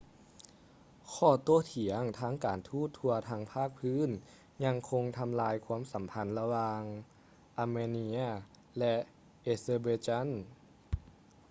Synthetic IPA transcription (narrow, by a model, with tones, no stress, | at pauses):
kʰɔː˧˩t̪o˧˥˩t̪ʰi˨˩˦əŋt̪ʰaː˧˥˨ŋkaː˨˩nt̪ʰuː˥˩t̪ʰːu˧ɐt̪ʰaː˧ŋpʰaː˥˩k̚pʰɯː˧˥˨n | ɲa˧ŋkʰo˧ŋt̪ʰa˧mlaː˧jkʰu˧˥ə˨msa˩˦mpʰa˧˥nla˧waː˧ŋ | ʔa˧meː˧ni˧˥a˩ | lɛ˧ | ʔeː˧seː˧beː˧t͡ɕa˥˨n